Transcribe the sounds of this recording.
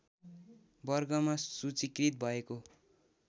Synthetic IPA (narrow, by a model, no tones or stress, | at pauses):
bʌrɡʌmasut͡sikrit̪̚bʱʌeko